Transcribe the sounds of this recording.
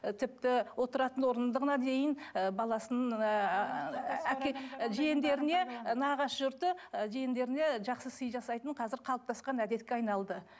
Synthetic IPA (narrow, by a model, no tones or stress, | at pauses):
t̪ʰɪp̚t̪ɪwo̞t̪əɾɑt̪ənwo̞ɾənd̪əʁənɑd̪e̞jɪnəbɑlˠɑsənəɴ | ækʲʒijɪnd̪e̞ɾɪne̞nɑʁɑsʒʊɾt̪əʒijɪnd̪e̞ɾɪne̞ʒɑqsəsəjʒɑsɑjt̪əɴqʰɑzɪɾqʰɑlˠəp̚t̪ʰɑsqɑnæd̪e̞t̪̚kʲeɑjnɑlˠd̪ə